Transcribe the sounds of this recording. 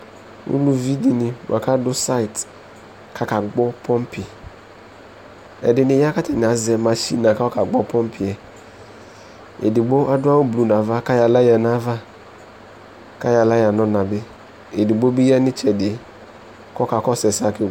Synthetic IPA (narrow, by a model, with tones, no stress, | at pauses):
ṵ˦lu˨vi˦di˨nɪ˨wʔa˨ka˦dʊ˦sa˦ɪ˨t | kʰa˦ka˨ɡ͡bɔ˦pʰɔ˦m˦pɪ˨ | ɛ̰˨dɪ˨nɪ˨ja˦ka˦tɛ˨nɪ˨a˨zɛ˨ma˨ʃi˦na˨ka˦ɔ˦ka˨ɡ͡bɔ˦pɔ˦m˦pʰɪ˨ɛ˨ | ḛ˨dɪ˨ɡ͡bo˦ʔa˦dʊ˦a˦wʊ˦blu˨na˨va˦ka˦ja˨la˦ja˨na˦va˦ | ka˦ja˨la˦ja˨nɔ˦na˨bɪ˦ | e˨dɪ˨ɡ͡bo˦bi˦ja˦nɪ˦t͡ʃɛ˨dɪ˨ | kɔ˦ka˨kɔ˦sɛ˨sa˦kɪ˦˨